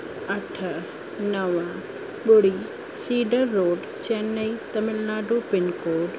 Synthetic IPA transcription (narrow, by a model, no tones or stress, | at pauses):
ɐʈʰə | nɐʋə | ɓʊɽi | siːɖəɾːoːɖ | t͡ɕenːɐit̪ɐmɪlnaːɖuːpɪnkoːɖ